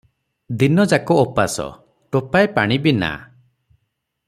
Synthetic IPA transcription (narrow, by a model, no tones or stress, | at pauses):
d̪inɔd͡ʒakɔːpasɔ̰ | ʈopajpaɽ̃ibina̰